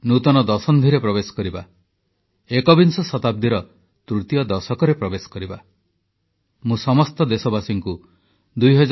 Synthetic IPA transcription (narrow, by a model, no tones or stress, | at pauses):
nut̪ɔnɔd̪ɔsɔnd̪ʱiɾepɾɔbesɔ̥kɔɾiba̰ | ekɔbinsɔsɔt̪ab̚d̪iɾɔ | t̪ɾut̪ijɔd̪ɔsɔkɔɾepɾɔbesɔ̥kɔɾiba | mũsɔmɔst̪ɔd̪esɔbasiŋku | d̪ujɦɔd͡ʒ